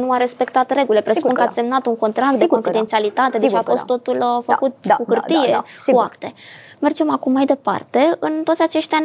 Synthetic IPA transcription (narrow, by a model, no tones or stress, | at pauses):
nuaɾe̞spe̞kt̪at̪re̞ɡule̞pɾesupunkəat̪ʲse̞mnat̪uŋko̞nt̪ɾak̚t̪d̪ekofid̪ent̪ialit̪at̪e̞d̪et͡ʃafo̞st̪ːo̞t̪ulfəkut̪̚kuxɨrt̪ije̞uakt̪e̞me̞rd͡ʒe̞makumːajd̪e̞pa̰rt̪e̞ɨnt̪oot̪ʲat͡ʃe̞ʃt̪ea